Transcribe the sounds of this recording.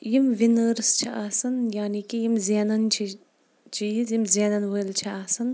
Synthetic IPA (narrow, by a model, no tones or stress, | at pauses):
jimʋinəɾst͡ʃʰiʔaːsɐnjaːnikijimzeːnɐnt͡ʃʰi | t͡ʃʰiizjimzeːnɐnʋəlt͡ʃʰiaːsɐn